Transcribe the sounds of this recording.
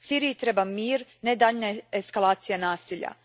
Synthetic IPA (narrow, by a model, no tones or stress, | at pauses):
siːɾijit̪ɾeːbamiːɾned̪aʎnaeskalˠaːt̪sijanaːsiʎa̰